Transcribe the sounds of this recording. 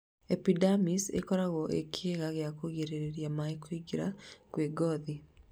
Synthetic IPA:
epidamisḛkɔɾaɣɔʔḛkʰeɣaɣjakoɣeɾeɾeɾjamaikoiɡiɾa̰kweɡɔði

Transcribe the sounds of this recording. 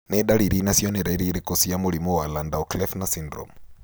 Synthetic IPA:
nɛɗaɺiɾinasiɔnɛɾɛɾiɾikʼosijamuɺimɔwalandaɔklɛfnasindɾɔ̰m

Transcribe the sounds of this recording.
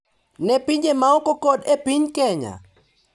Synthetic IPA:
nɛpiɲd͡ʒemaɔkokodepiɲkɛɲa̰

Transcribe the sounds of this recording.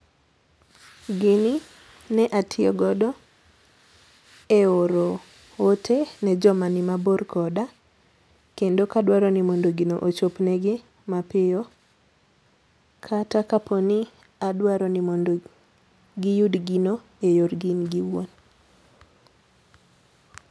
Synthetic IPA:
ɡɪni | nɛʔatʰɪɔɡɔdɔ | eoɾo | otʰenɛd͡ʒɔmanimaborkʰɔda | kendokadwaɾɔnimɔndoɡino̰ʔot͡ʃopnɛɡɪ | mapɪjo | kʰatakaponi | adwaɾɔnimɔndo | ɡɪjudɡino | ejorɡinɡiwon

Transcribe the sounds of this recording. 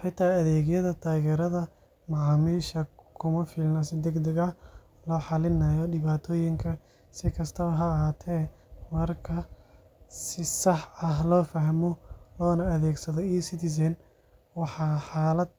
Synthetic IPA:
ħɪt̪ʰaːjɐðɛːɣjɐðɐt̪ʰaːɣɛːɾɐðɐ | mɑʕɑːmiːʃɐkʰʊmɐfɪlnɐsɪd̪ɛɡd̪ɛɣɐ | lɔːħɑlɪnɐjɔɖɪβaːt̪ʰɔːjɪŋkʰɐ | sɪkʰɐst̪ʰɐβɐɦɐːɦaːt̪ʰɛː | mɐrkʰɐ | sɪsɐħɐɦlɔːfɐɦmɔlɔːnɐːðɛːɡsɐðɔiːsɪt̪ɪs̬ɛn | wɑħɑːħɑːlɐd̪̚

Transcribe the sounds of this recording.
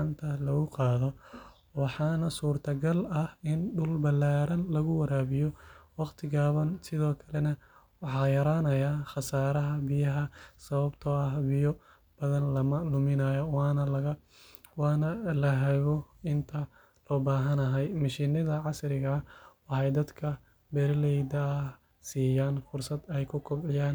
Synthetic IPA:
ʕɑnt̪ʰɐlɐɣʊqɑːðɔ | wɑħɑːnɐsuːrt̪ʰɐɡɐlɐhɪnɖʊlbɐlːaːɾɐnlɐɣʊwɐɾaːβɪjɔwɑqt̪ʰɪɣaːβɐnsɪðɔːkʰɐlɛnɐ | wɑħɑːjɐɾaːnɐjaːxɑsaːɾɐɦɐbɪjɐɦɐsɐβɐbt̪ʰɔɐhbɪjɔ | b̥ɐðɐnlɐmɐlʊmɪnɐːjɔwɑːnɐlɐɣɐ | wɑːnɐlɐɦɛɣɔɪnt̪ʰɐ | lɔːbaːɦɐnɐɦɛjmɐʃiːnɐðɐʕɑsɾɪɣɐwɑħɑjd̪ɐd̪kʰɐ | bɛrlɛjd̪ɐːh | siːjaːnfʊrsɐd̪ɛjkʰʊkʰɔbʕɪjaːn

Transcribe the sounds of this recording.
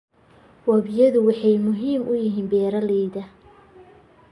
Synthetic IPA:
wɐβɪjɐðʊwɑħɑjmʊɦiːmʔʊjɪɦiːnbɛːɾɐliːðɐ

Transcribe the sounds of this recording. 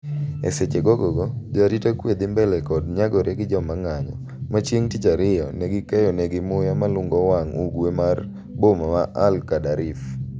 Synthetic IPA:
ḛset͡ʃeɡɔɡɔɡɔd͡ʒɔaditakwed̪ɪmbɛlɛkɔdɲaɡɔɾʔeɡɪd͡ʒɔmaŋaɲɔ̰ | mat͡ʃjeŋtit͡ʃaɾɪjɔneɡɪkɛjɔnɛɡɪmʊjamalʊŋɡɔwaŋuɡwemar | bomamaʔalkadaɾif

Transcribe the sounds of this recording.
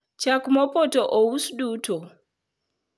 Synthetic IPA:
t͡ʃakumɔpɔtɔʔɔwusɗutʰɔ

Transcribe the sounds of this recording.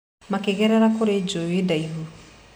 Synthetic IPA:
makeɣɛɾɛɾakoɾed͡ʒowedaiɦu

